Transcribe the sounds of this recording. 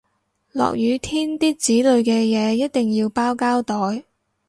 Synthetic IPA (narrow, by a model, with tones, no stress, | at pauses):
lɔ̰ː˨k̚jyː˨˧t̪ʰiː˥nt̪iː˥k̚t͡siː˨˥lɵ˨˧ɥkɛː˧jɛː˨˧jɐ˥t̚t̪ɪ˨˩ŋjiː˧wpaː˥wkaː˥wt̪ɔː˨˩j